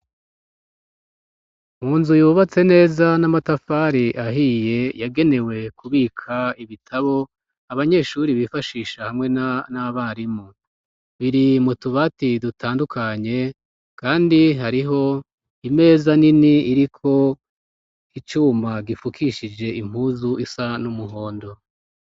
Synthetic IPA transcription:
muːnzujuːβat͡se̞ne̞ːzanamatafaːɾiʔaɦiːje̞jaɡe̞ne̞we̞kuβiːkʰaiβitʰaβo̞ | aβaɲe̞ʃuɾiβifaʃiːʃahamŋe̞naβaɾimu | βiɾimutuβatidutʰaːndukʰaɲe̞ | kaːndiɦaɾiɦo̞ | ime̞ːzaniniiɾikʰo̞ | it͡ʃuːmaɡifukʰiʃid͡ʒe̞ʔim̥huːzuʔisanumuɦo̞ːndo̞

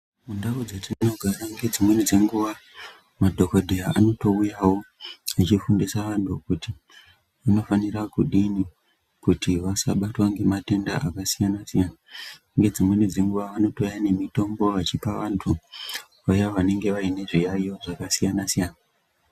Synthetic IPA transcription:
mundaud͡zetininoɡʱaraŋɡe̞d͡zimwe̞nid͡ze̞ŋɡuʋa | madʱo̞kodʱejaano̞to̞ujawo̞at͡ʃifundisaʋantʰukuti | ano̞fanirakuɗini | kutiʋasa̰ɓatwaŋɡe̞mate̞ndaʔakasijanasijana | ŋɡe̞d͡zimwe̞nid͡ze̞ŋɡuʋaʋano̞tojane̞mito̞mbo̞ʋat͡ʃipaʋantʰu | ʋajaʋane̞ŋɡe̞ʋaine̞ʐijaioʐakasijanasijaːna

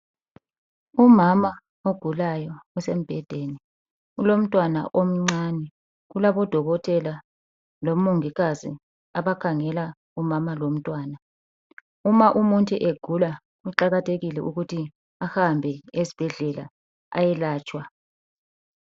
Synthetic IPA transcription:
umama | oɡ̥ʱulajɔusem̩b̥ʱɛd̥ʱeni | ulom̩tʼwana̰ʔom̩ŋ͡ǀanɛ | ɣulaβɔd̥ʱɔɣɔtʰʼɛla | lom̩muŋiɣazḭ | aβakʰaŋɛla | umamalom̩tʼwaːna | umaʔumuntʼuʔeɡ̥ʱula | uǃaɣatʰeɣilɛuɣutʰi | ahambʱɛezib̥ʱɛɮɛla̰ | a̰jɛlaːt͡ʃʼwa

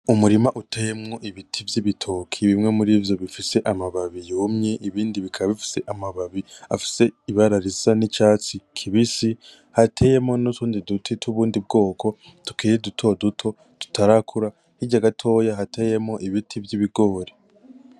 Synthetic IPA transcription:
umuɾimaʔutʰe̞jemŋo̞ʔiβitʰivjiβitʰo̞ːkʰiβimŋe̞muɾiːvjo̞βifise̞ʔamaβaβijomɲeʔiβiːndiβikʰaββifi̥se̞ʔamaβaβia̰fi̥se̞iβaɾaɾizanit͡ʃaːt͡sikʰiβisi | hatʰe̞ːjemŋo̞nutuːndidutʰitʰuβuːndib̚ɡo̞ːkʰo̞ | tu̥kiːɾedutʰo̞dutʰo̞ | tu̥tʰaɾakʰuɾa | hiɟaɡatʰo̞ːjaɦatʰe̞ːjemŋo̞ʔiβitʰibjiβiɡo̞ːɾe

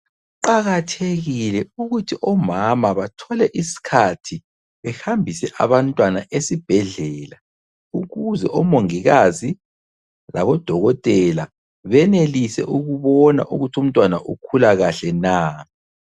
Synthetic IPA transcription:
ǃaɣatʰeɣilɛuɣutʰiʔɔmamaβatʰɔlɛʔisi̥kʰatʰi | βɛxambʱisɛʔa̰βantʼwanaʔesib̥ʱɛɮɛːla | uɣuzɛʔɔmoŋiɣazi | la̰βɔd̥ʱɔɣɔtʼɛla | βɛnelisɛ̰ʔuɣuβɔna̰ʔuɣutʰum̩tʼwanaʔukʰulaɣaɬɛnaː

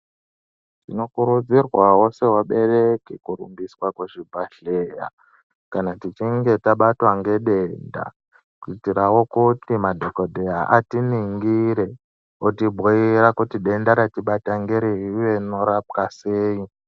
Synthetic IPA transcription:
tino̞kuɾud͡zirwawo̞se̞ɦwaɓe̞rekikurṵmbiswakweʐibʱaɬeja̰ | kanatit͡ʃiŋɡe̞taɓatwaŋɡe̞ɗenda̰ | kuitiɾawo̞kutimadʱokodʱejaʔatiniŋɡiɾe | otibʱoiɾakutiɗe̞ndaɾatiɓataŋɡeɾiiʋeno̞ɾap̚kaseːi

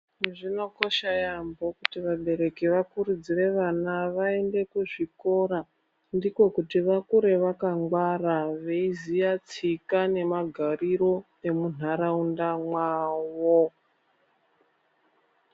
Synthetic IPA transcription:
ʐino̞ko̞ʃajambo̞kutiʋaɓe̞ɾe̞kiʋakuɾud͡zire̞ʋanaʋae̞nde̞kuʐiko̞ɾa | ndiko̞kutiʋakuɾe̞ʋakaŋɡwaraʋeizijat͡sikane̞maɡʱariɾo̞ | emun̤aɾaundamwaːwo

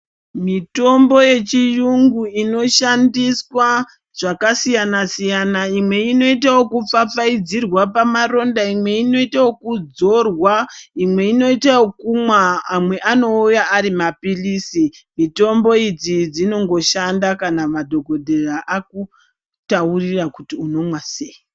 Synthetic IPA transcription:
mito̞mbo̞je̞t͡ʃijuŋɡuino̞ʃandiswa | ʐ̥akasijanasijanaimwe̞ino̞itawo̞kup͡fap͡faid͡zirwapamaro̞ndaimwe̞ino̞itawokud͡zo̞rwaimwe̞ino̞itawokumwaːmwe̞ʔano̞ujaʔːɾimapilisimito̞mbo̞id͡zid͡zino̞ŋɡo̞ʃandakanamadʱo̞ɡʱo̞dʱeraʔaku | taurirakutiuno̞mwaseji

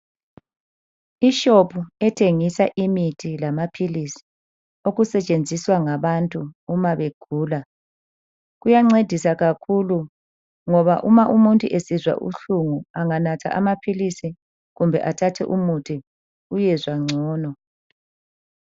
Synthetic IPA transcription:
iʃopʰuɛtʰeŋisaʔimitʰilamapʰilisi̥ | oɣusɛt͡ʃʼend͡zʱiswaŋaβantʼuːmaβeɡ̥ʱuːla | ɣujaŋ͡ǀed̥ʱisaɣakʰulu | ŋɔβaʔumaʔumuntʼuʔesizwa̰ʔṵɬuŋuaŋanatʰa̰ʔamapʰilisi | ɣumbʱɛʔatʰatʰɛ̰ʔumutʰi | ujɛzwaŋ͡ǀʱɔːnɔ

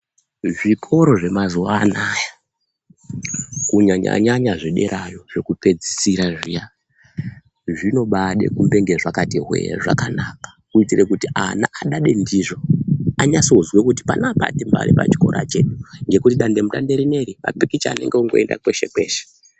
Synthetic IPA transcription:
ʐikʰo̞ɾo̞ʐe̞mazuwaːnaja | kuɲaɲa̰ɲaɲaʐiɗe̞̰ɾʔajo̞ʐe̞kupe̞d͡zisiɾaʐija | ʐino̞ɓaɗe̞̰kumbe̞ŋɡeʐakatiɦwḛʐa̰kanaːkḁkuitirekutiʔana̰ʔaɗaɗe̞ndiʐo̞aɲasozwekuti̥panapa̰timba̰ɾipa̰t͡ʃi̥ko̞ɾʔa̰t͡ʃe̞ɗuŋɡe̞kutiɗande̞mutandeɾine̞ɾima̰pikit͡ʃia̰ne̞̰ŋɡeuŋɡoenda̰kwe̞ʃe̞kwe̞̰ːʃe̥

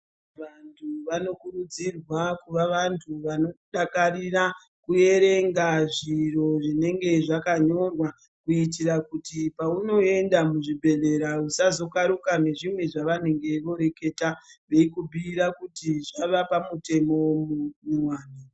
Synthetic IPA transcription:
ʋantʰuʋano̞kurud͡zirwakuʋaʋantʰuʋano̞ɗakarira | kue̞ɾe̞ŋɡaʐiro̞ʐine̞ŋɡe̞ʐakaɲo̞rwa | kuitirakutipauno̞e̞ndamuʐibʱe̞ɮe̞ɾausazo̞kaɾukane̞ʐimwe̞ʐaʋane̞ŋɡe̞ʋo̞ɾe̞ke̞taʋeikubʱiːɾakutiʐaʋapamute̞mo̞mumimwaːni

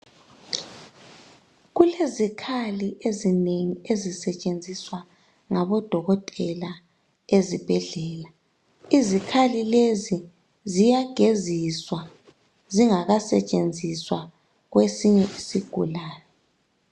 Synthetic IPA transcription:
ɣulezikʰaliʔezineŋiezisɛt͡ʃʼend͡zʱiswa | ŋaβɔd̥ʱɔɣɔtʼɛla | ezib̥ʱɛɮɛːla | izikʰalilezi | zijaɡ̥ʱeziswa | ziŋaɣasɛt͡ʃʼend͡zʱiswa | ɣwesiɲɛʔisiɡ̥ʱṵlaːjɔ

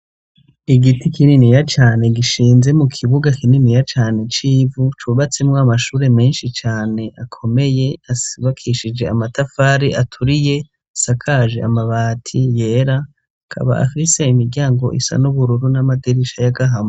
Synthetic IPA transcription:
iɡitikininijat͡ʃaːne̞ɡiʃiːnze̞mukʰiβuɡakininijat͡ʃaːne̞t͡ʃiːvut͡ʃuβat͡semŋamaʃuːɾe̞me̞ːnʃit͡ʃaːne̞ʔakʰo̞me̞je̞asiβakʰiʃid͡ʒe̞a̰matafaːɾiʔatʰuɾije̞ | asakʰaʒḛa̰maβaːtʰije̞ːɾa | kʰa̰βa̰ʔa̰fise̞imiɾɡɟaːŋɡo̞̰ʔḭsa̰nuβuɾuɾunamadiɾiʃajaɡaɦamo

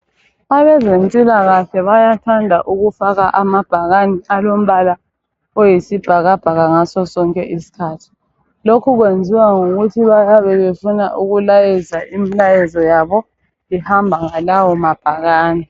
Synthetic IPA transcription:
aβɛzentʼilaɣaɬɛβajatʰandʱaʔuɣufaɣaʔamab̥ʱaɣaniʔalom̩βala | ojisib̥ʱaɣab̥ʱaɣaŋasɔsɔŋkʼɛʔisi̥kʰaːtʰi̥ | lokʰuɣwend͡zʱiwaŋoɣutʰiβajaβɛβefunaʔuɣulajɛzaʔimilajɛzɔjaβɔ | ihambʱaŋalawɔmab̥ʱaɣaːnɛ

